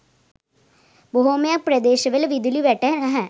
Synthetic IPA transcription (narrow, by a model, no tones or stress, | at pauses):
boɦoːmjaːprɐd̪eːɕɐʋɐlʋid̪iliʋeʈːɐɐɦɐ̃